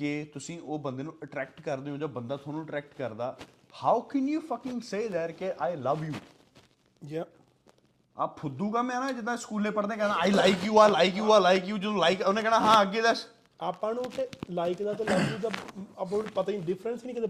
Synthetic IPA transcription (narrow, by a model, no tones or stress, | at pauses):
ket̪ʊsĩːoːbə̃nd̪eːnũːəʈɾɛːk̚ʈkəɾd̪eːɦõːd͡ʒaːbənd̪aːt̪ʰaːnũəʈɾɛːk̚ʈkəɾd̪aː | haːʊkɛnjuːfəkɪ̃ŋseːd̪ɛːʈkeʔaːɪləʋjuː | d͡ʒ | apʰʊd̪uːkaːmɛ̃ːnãːd͡ʒɪd̪ãskuːlẽːpəɽd̪ẽːkɛ̃ːd̪ãaːɪlaɪkjuːaɪlaɪkjuːajlaɪkjuːd͡ʒɪd̪õːlaɪkonẽːkɛːnaːɦãːəɡeːd̪əs | aːpːãːnũːt̪elaːɪkd̪aːt̪eləɡjuːt̪̬aapãpət̪aːĩɖɪfʰɾənsnĩːkɪt̪e